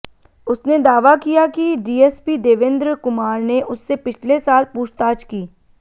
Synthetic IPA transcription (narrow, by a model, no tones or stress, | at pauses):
ʊsned̪aːʋakijakiɖiːɛːspid̪eːʋɪ̃nd̪ɾkʊmaːɾneʔʊsːepɪt͡ʃʰlesaːlpuːt͡ʃt̪aːt͡ʃkiː